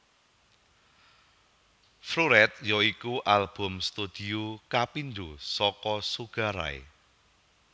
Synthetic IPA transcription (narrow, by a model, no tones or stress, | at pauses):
fɾuɾɛt̪̚jɔikuʔalb̥ɔ̤mst̪ud̪̥iukapind̪usɔkɔsuɡ̥a̤ɾa̰ḛ